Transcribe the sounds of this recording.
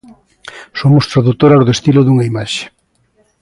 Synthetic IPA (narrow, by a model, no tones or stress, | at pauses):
somʊst̪ɾaðut̪oɾazðoest̪iloðuŋaimaʃe̥